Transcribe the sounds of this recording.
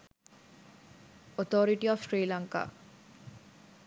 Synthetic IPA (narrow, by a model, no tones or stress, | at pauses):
ot̪oɾiʈiɔfʃɾiːlaŋka̰ː